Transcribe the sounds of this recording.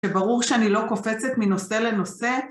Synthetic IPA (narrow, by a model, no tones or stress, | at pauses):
ʃebaʁuʁʃeanilo̞ko̞fet͡set̪mino̞se̞le̞no̞se̞